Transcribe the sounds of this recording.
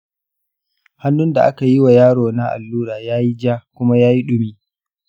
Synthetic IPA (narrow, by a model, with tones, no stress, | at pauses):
ha˦nːʊ˦nda˨ʔa˦ka˨ji˦wa˨jaː˦ɽoː˨na˦ʔa̰˨lːuː˦ɾaː˨jaː˦ji˦d͡ʒaː˦kʷʊ˦ma˦jaː˦ji˦ɗʊ˦miː˦